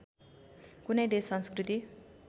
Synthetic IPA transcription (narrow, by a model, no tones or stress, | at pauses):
kunʌjd̪esʌnskrit̪i